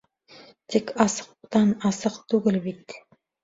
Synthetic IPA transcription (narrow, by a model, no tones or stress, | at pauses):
t̪ʰekʲɑsə̥q̚t̪ɑnɑsəqt̪ʰɵɡʲɪlbijt̪